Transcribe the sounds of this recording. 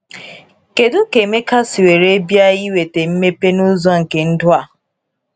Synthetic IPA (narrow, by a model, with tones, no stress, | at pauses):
ke˨dʊ˦ke˨me˦ka˦si˨we˨ɾe˦bja˦ji˦we˨te˨m̩˦me˦pe˦nʊ˦zɔ˦ŋ̩˨ke˨n̩˦dʊ˦a˨